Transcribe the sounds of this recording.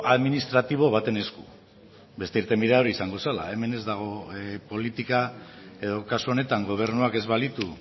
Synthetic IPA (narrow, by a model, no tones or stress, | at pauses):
ʔaðminist̪ɾat̪iβ̞o̞β̞at̪e̞ne̞sku | be̞st̪e̞iɾt̪e̞mbiðeaoɾiisaŋɡo̞sala̰e̞me̞ne̞zd̪aɣ̞o̞po̞lit̪ika | e̞ð̞o̞kasuo̞ne̞t̪aŋɡo̞β̞e̞ɾnuake̞zβalit̪u